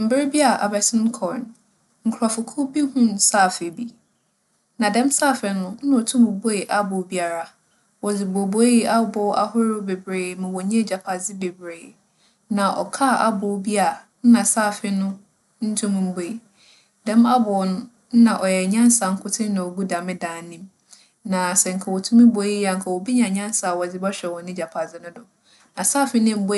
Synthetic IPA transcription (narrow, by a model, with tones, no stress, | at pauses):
m̩˨bɪ˦ɾbi˦a˨ʔa̰˨bɛ˨sɪ̃˦n˦kʰɔ˨n | ŋ̩˨kʰʊ˨ɾa˨fʊ˨kʰʊ˦bi˦hʊ̃˦n˨saː˦˨fɪ˨bi˦ | nã˨dɛ̃˦msaː˦˨fɪ˨nʊ̃˦n̩˦nã˨ɔ˨tʰʊ̃˦mʊ̃˨˦bo˦e˨ʔa˦bʊ˨˦bi˦a˨ɾa˨ | wɔ˨d͡zɪ˨bo˨bo˨˦ji˦ʔa˦bʊ˦ʔa˦ɦʊ˦ɾɪ˦be˨bɾeː˨mã˨wɔ˨ɲɛ̃˦˨d͡ʑa˨pʰa˨d͡zɪ˦be˨bɾeː˨ | nã˨ʔɔ̰˨kʰa˦˨ʔa˦bʊ˨˦bi˦a˨ | n̩˦nã˨saː˦˨fɪ˦nʊ̃˦ | n̩˦tʰũ˦m̃˦m̩˦bo˦i˨ | dɛ̃˦m˦a˦bʊ˨nʊ̃˦ | n̩˦nã˨ʔɔ˨jɛ˨ɲã˦n˦sa˨ŋ̩˦kʰʊ˦tʰɪ˦nã˨ɔ˨ɡu˦da˨mɪ̃˦dãː˨˦nĩ˦m | nã˨sɛ˨ŋ̩˨kʰa˨wɔ˨tʰũ˦mɪ̃˦bo˨˦i˦ja˨ŋ̩˨kʰa˨wɔ˨bi˦ɲã˨ɲã˦n˦sa˨wɔ˨d͡zɪ˨bɔ˦ɕᶣɛ˨wɔ̃˨nɪ̃˦d͡ʑa˨pʰa˨zɪ˦nʊ̃˦dʊ˨ | nã˨saː˦˨fɪ˦nɪ̃˦m̩˦bo˦